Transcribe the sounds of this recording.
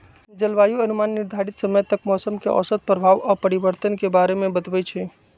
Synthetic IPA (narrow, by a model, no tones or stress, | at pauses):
d͡ʒəlʋaːjuɐnʊmaːnːɪɾd̪ʱaːɾɪt̪səməjt̪əkmɔːsəmkeʔɔ̰ːsət̪̚pɾəbʱaːʋɔːɾpəɾɪʋəɾt̪ənkebaːɾemẽbət̪ʋət͡ʃʰɛː